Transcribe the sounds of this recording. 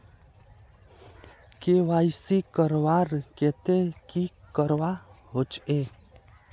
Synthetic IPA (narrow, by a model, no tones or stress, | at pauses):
keːʋaːisikəɾʋaːɾket̪ẽkikəɾʋaɦot͡ʃe